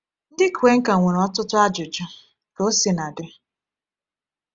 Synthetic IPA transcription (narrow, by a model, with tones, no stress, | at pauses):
n̩˦dɪ˦ku˨we˦ŋ̩˦ka˨ŋʷe˨ɾɔ˦tʊ˦tʊ˦a˦d͡ʒʊ˨d͡ʒɔ˦ | ko˦si˨na˨dɪ˨˦